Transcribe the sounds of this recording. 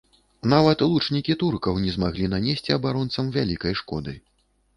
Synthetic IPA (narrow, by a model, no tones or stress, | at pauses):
navɐt̪lˠut͡ʂnʲikʲit̪urkɐwnʲɛzmaɣlʲinanʲesʲt͡sʲɐbaɾɔnt̪sɐmvʲalʲikɐjʂkɔ̰d̪ɨ̰